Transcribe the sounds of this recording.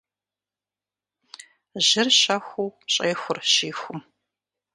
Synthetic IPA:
ʑɪrɕɐxʷuːɕʼeːxʷʊrʃiːxʷʊm

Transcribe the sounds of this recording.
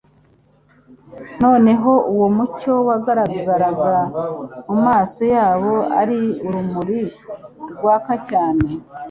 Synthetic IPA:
no̞ːne̞ɦo̞ʔuwomuco̞waɡaɾaɡaɾaɡamumaːso̞jaːβo̞a̰ɾiuɾumuɾiɾɡwaːkacaːne̞

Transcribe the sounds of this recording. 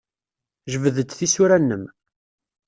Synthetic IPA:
ʒəvəðəd̪θisuɾænːəm

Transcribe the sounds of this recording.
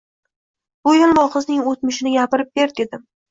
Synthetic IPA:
b̥ʊjɪlˠmɒqʰɨznɪŋot̪̚mɪʃɪnɪɡʲapɪɾɪp̚beɾd̪e̞d̪ɪm

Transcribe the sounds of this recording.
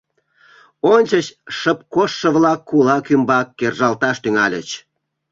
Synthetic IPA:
onʲt͡ɕət͡ɕʃəp̚koʃːə̆βlɑkːulɑkymbɑkːerʒɑlt̪ɑʃt̪yŋɑlʲə̰t͡ɕ

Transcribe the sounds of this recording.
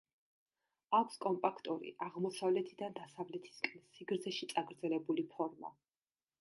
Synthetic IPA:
akʷʰskʼɔmpʼakʰt̪ʼuɾḭʔaʁmɔsavlɛt̪ʰid̪and̪asavlɛt̪ʰi̥skʼɛnsiɡɾt̪zʰɛʃit̪sʼaɡɾd̪zɛlɛbulipʰɔɾma̰

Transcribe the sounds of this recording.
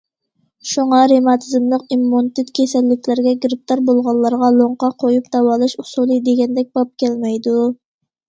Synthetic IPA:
ʃuŋɑɾemɑt̪ʰɨzɨmlˠəqimːont̪ɪt̪kʲʰesɛlːɪkʲʰlæɾɡʲɛɡɾɪp̚t̪ɑɾbolˠʁɑlˠːɑɾʁɑlˠoɴqɑqʰojupd̪̥ɑwɑlˠɨʃusulˠɨd̪eɡʲɛnd̪ɛk̚ʲb̥ɑp̚kʲʰɛlmɛjd̪u

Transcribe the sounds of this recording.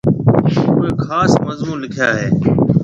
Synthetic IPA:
uːeːkʰaːsməzmũːnlɪkʰjaːɦeː

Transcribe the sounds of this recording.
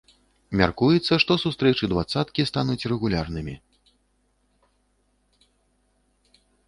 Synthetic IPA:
mʲarkujɛt̪sːɐʂt̪ɔsust̪ɾɛt͡ʂɨd̪vat̪sat̪kʲist̪anut͡sʲrɛɣulʲarnɨmʲi

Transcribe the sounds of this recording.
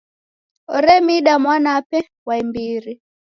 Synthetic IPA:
ɔɾɛmiɗamwanapɛ | waimbiɾi

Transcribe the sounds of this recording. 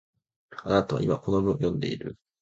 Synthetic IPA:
anat̪aβa̰ʔimakonomɯojõ̞nd̪e̞iɾɯ̟̰

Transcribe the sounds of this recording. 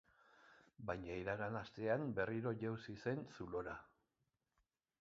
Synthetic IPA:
bajɲaiɾaɣanast̪e̞ambe̞riɾo̞ʝewsise̞nsulo̞ɾa

